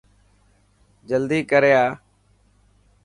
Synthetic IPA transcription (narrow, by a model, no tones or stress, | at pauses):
d͡ʒəld̪iːkəɾeːaː